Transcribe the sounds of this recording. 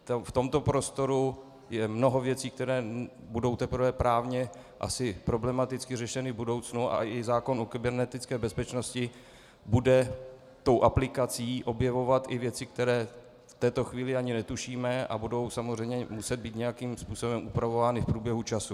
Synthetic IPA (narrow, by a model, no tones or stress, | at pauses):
t̪ft̪o̞mt̪o̞pɾost̪o̞ɾu | jɛmnoɦo̞vjɛt͡siːk̚t̪ɛɾɛː | budo̞wt̪ɛpɾ̩vɛːpɾaːvɲɛ | ʔa̰sɪpɾo̞blɛmat̪ɪt͡skɪrɛʃɛnɪvbudo̞wt͡snuʔa̰ɪzaːko̞nokɪbɛɾnɛt̪ɪt͡skɛːbɛspɛt͡ʃno̞scɪ | budɛ | t̪o̞wʔaplɪkat͡siːʔo̞bjɛvo̞vat̪ɪvjɛt͡sɪk̚t̪ɛɾɛː | ft̪ɛːt̪o̞xviːlɪaɲɪnɛt̪uʃiːmɛʔa̰budo̞wsamozr̝ɛjmɲɛmusɛd̪̚biːt̪ɲɛjakiːmspuːso̞bɛmʔupɾavovaːnɪfpɾuːbjɛɦut͡ʃasu